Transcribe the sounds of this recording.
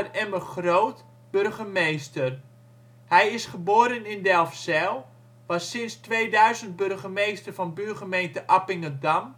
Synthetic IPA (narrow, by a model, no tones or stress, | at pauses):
ərɛməχroːt | b̥ørɣəmejstər | hɛjɪsχəboːɾənɪndɛlˠfsɛlˠ | ʋɑsːɪnstʋeːdœɥzənt̚børχəmejstərvɑnbørχəmejntəʔapɪŋədam